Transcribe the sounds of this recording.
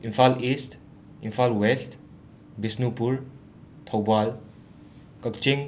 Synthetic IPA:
infalist | infalwɛst | bisnupuɾ | t̪ʰɔwbal | kəkt͡ʃiŋ

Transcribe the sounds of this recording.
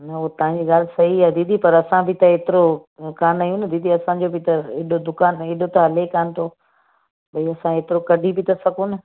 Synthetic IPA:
nɐuɦt̪ɐʋãɲd͡ʑiːɣaːlsɐɦiɛd̪iːd̪ʱipɐɾɐsãbʱɪt̪ɐeːt̪ɪɾokaːnɐijũnɪd̪ʱiːd̪ʱiɐsãd͡ʑobɪt̪ɐeːɗod̪ʊkaːneːɗot̪ɐɦɐlekaːnɪ̆t̪ʰo | bɐiɐsãeːt̪ɪɾokɐɖʱibʱɪt̪ɐsɐkonɪ

